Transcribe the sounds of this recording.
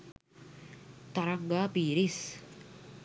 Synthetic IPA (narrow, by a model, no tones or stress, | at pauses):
t̪aɾaŋɡapiɾɪs